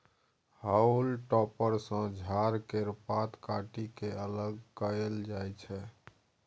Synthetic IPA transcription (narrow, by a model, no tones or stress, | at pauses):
haulʈɔpəɾsə̃d͡ʒʱaɾkeɾpat̪kaʈikeələɡkəeld͡ʒajt͡ʃʰɛ